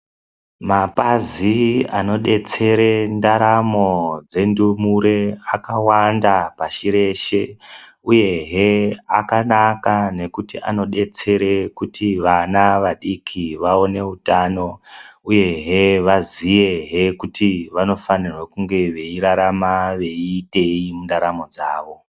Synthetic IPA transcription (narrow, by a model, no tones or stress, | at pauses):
mapaziano̞ɗe̞t͡se̞ɾe̞ndaɾamo̞d͡ze̞ndumuɾe̞akawandapaʃiɾe̞ʃe̞ | uje̞ɦeakanakane̞kutia̰no̞ɗe̞t͡se̞ɾekutʰiʋanaʋaɗikʰiʋao̞ne̞utaːno̞uje̞ɦeʋazije̞ɦe̞kutiʋano̞fanirwekuŋɡe̞ʋe̞iɾaɾamaʋe̞iːte̞imundaɾamo̞d͡zaːʋo̞